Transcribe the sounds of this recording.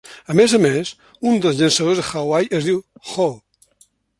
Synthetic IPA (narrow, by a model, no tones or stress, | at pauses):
əmezəmes | und̪əlzʎənsəð̞ozðəxawajezðiwxɔl